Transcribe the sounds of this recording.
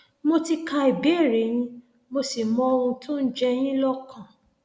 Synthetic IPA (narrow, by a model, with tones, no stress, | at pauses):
mo˧ti˧ka˧i˨be˨˦e˦˨ɾe˨˦j̃ĩ˧˦ | mo˧si˨mɔ̃˨˧o˧ũ˧tũ˦n̩˦d͡ʒɛ˦˧j̃ĩ˦lɔ˦kʰã˦˨